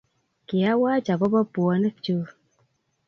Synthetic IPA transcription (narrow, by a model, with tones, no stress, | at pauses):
ki˨a˦waː˦d͡ʒa˨bɔ˦bɔ˦bɔ˨nə˦t͡ʃo˦